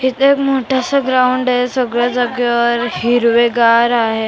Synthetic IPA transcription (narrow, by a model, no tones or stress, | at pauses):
ɦit̪ːkmoʈʰasəɡɾawɳɖesəɡɾad͡zaɡjəɾhiɾʋeɡaɾaɦe